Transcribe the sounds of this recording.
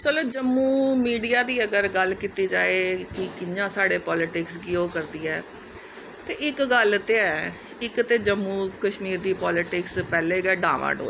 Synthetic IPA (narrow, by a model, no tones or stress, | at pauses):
sələd͡ʒəmːuːmiːɖijaːd̪iːəɡəɾɡəlkiːt̪iːd͡ʒaːeːkɪkɪɲãːsaːɽeːpɔːlɪʈɪksɡɪoːkəɾd̪iːɛː | t̪eːɪkɡəlt̪eɛː | ɪkt̪eːd͡ʒəmːũːkəʃmiːɾd̪iːpɔːlɪʈɪkspɛːleːɡɛːɖa̰ːʋʔa̰ːɖo̰ː